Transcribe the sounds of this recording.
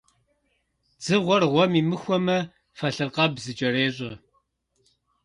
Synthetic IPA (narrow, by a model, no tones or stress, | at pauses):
d͡zɨʁʷɔrʁʷɔmiːmɨxʷɔmɐ | fɐɬɨrqɐbzɨt͡ʃʼɐɾeːɕʼɐ